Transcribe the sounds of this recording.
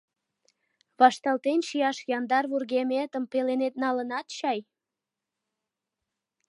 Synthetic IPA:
βɑʃt̪ɑlt̪enʃijɑʃjɑnd̪ɑrβurɣemet̪əmpelenet̪nɑlənɑt̪ɕɑj

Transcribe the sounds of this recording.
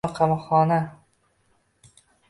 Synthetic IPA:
qʰɑmɒχɒna

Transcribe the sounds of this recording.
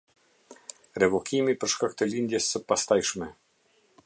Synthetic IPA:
ɾɛvɔkʰimipəɾʃkak̚t̪əlind̪jɛsːəpast̪ajʃmɛ

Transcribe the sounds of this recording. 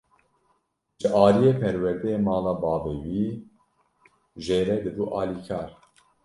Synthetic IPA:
ʒɨʔɑːlijeːpʰɛɾwɛɾd̪ɛjemɑːlɑːbɑːveːwiː | ʒeːɾɛd̪ɨduʔɑːliːkʰɑːɾ

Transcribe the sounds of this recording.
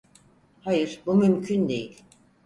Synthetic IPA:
hajɯɾbumymcʰynd̪e̞jilʲ

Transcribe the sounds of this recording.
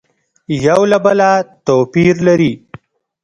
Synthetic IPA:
jawlabalat̪opiɾlaɾi

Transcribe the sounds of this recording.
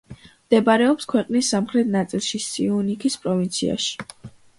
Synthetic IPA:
md̪̥ɛbaɾɛɔpskʰwɛqʼnisːamχɾɛt̪̚ʰnat̪sʼilˠʃisʼiunikʰispʼɾɔvint̪sʰia̰ʃi̥

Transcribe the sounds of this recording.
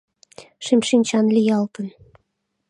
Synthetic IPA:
ʃemʃinʲt͡ɕɑnlʲijɑlt̪ən

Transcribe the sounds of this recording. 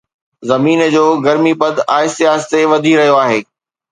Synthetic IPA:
zɐmiːnəd͡ʑoːɡɐɾmipɐd̪ʱaːɪsɪjaːst̪eʋɐd̪ʱiɾɐɦijoaːɦeː

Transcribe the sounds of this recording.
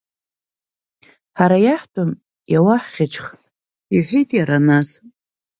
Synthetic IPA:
ħaɾajaħtʰʼɨm | jawaħχʲɪt͡ʃʰχ | iħʷijtʼjaɾanas

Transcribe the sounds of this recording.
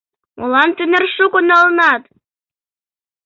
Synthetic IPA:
ulˠɑnt̪ynɘrʃukonɑlˠnɑt̪

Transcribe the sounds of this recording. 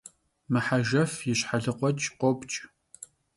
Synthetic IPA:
mɨħaʒɐfjɪɕħaɮɨqʷɔt͡ʃʼqʷopt͡ʃʼ

